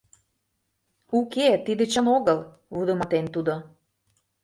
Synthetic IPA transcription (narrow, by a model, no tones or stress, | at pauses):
uket̪id̪ĕt͡ɕənoɣəl | βud̪ə̆mɑt̪ent̪ud̪o